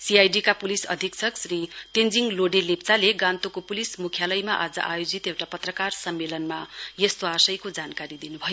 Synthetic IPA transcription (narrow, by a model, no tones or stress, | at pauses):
siajɖikapulisʌ̰d̪ʱiksʰʌksriʈend͡ziŋloɖelept͡saleɡãnt̪okopulismukʰjalʌjmaʔad͡zʌ̰ʔajod͡zit̪ewʈapʌt̪rʌkarsʌmːelʌnmajʌst̪oasʌjkod͡zankaɾid̪inubʱʌjo